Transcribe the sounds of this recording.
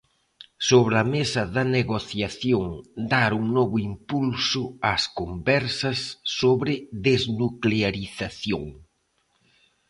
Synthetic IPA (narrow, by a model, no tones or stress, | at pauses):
soβɾɐmesɐðɐneɣoθjaθjoŋd̪aɾuŋnɔβʊimpulsʊaskombɛɾsɐsːoβɾɪðeznukleaɾiθaθjo̰ŋ